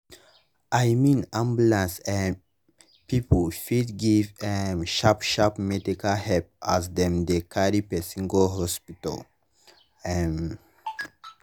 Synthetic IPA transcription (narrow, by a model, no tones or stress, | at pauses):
ʔajmĩnãmbulãnsɛ | pipofidɡivɛmʃapʃapmɛdikalhɛpasdɛ̃md̪ekʰaɾipɛsĩŋɡolɦɔspita̰l | ɛm